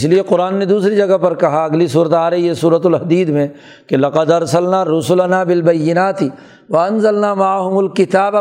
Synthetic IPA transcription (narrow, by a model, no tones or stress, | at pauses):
slieqʊɾaːnːed̪uːsɾid͡ʒɐɡapɐɾkɐɦaɐɡlisuːɾət̪aːɾɦijesuːɾət̪̬ʊlɦɐd̪iːd̪mẽ | kelɐqəd̪ɐɾsɐlnaːɾʊsʊlɐnaːbɪlbɐjːɪnaːt̪ɪ | ʋɐɐnzɐlnaːmaʕɦʊmʊlkɪt̪aːb